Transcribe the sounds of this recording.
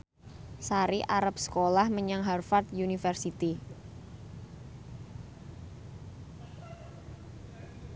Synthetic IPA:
saɾiʔaɾap̚sə̥kolahməɲaŋɦarfart̪̚junifɛrsit̪i

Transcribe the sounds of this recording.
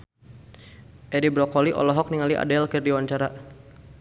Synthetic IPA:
ʔɛɾibɾɔkɔliʔɔ̰lɔɦɔk̚niŋaliʔa̰dɛlkərdiwaɲt͡ʃaɾa

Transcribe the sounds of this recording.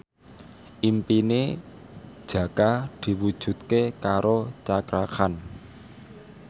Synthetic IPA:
ʔimpine | d̥ʒ̥ä̤kad̪̥i̤wud̥ʒ̥ṳt̪̚kekaɾot͡ʃakɾakan

